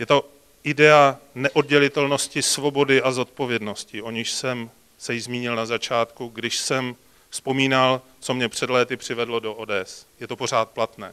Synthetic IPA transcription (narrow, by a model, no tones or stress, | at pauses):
jɛt̪o̞ | ʔɪdɛanɛʔo̞d̚ɟɛlɪt̪ɛlno̞scɪsvo̞bo̞dɪʔazo̞t̪̚po̞vjɛdno̞scɪʔo̞ɲɪʃsɛm | sɛjɪzmiːɲɪlnazat͡ʃaːt̪kuɡdɪʃsɛm | fspo̞miːnal | t͡so̞mɲɛpr̝̥ɛdlɛːt̪ɪpr̝̥ɪvɛdlo̞do̞ʔoːdɛːɛsjɛt̪o̞po̞r̝aːt̪̚plat̪nɛ̰ː